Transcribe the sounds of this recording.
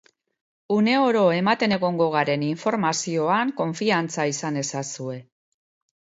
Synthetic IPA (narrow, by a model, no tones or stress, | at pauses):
une̞o̞ɾo̞e̞mat̪e̞ne̞ɣo̞ŋɡo̞ɣ̞aɾe̞niɱfo̞ɾmasio̞aŋko̞ɱfiant͡saisane̞sasue̞